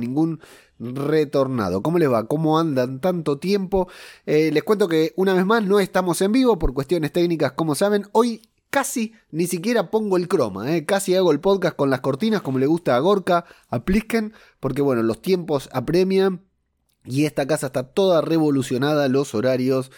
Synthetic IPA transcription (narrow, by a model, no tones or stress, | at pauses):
nĩŋɡun | ret̪o̞ɾna̰ð̞o̞komo̞le̞zβako̞mo̞and̪ant̪ant̪o̞t̪je̞mpo̞ele̞skwent̪o̞keunaβezmasno̞e̞st̪amo̞se̞mbiβo̞po̞ɾkwet̪jo̞ne̞st̪e̞knikasko̞mo̞saβ̞e̞no̞j | kasi | nisikje̞ɾapo̞ŋɡoe̞lkɾo̞̰ma̰ekasiaɣoelpo̞ðkast̪̚ko̞nlasko̞ɾt̪inasko̞mo̞leɣ̞ust̪aːɣ̞o̞ɾkaː | pliken | po̞ɾk̬eβwe̞no̞lo̞st̪je̞mpo̞sapɾe̞mjan | ie̞st̪akasaest̪at̪o̞ð̞are̞β̞o̞lusjo̞nað̞alo̞soɾaɾjos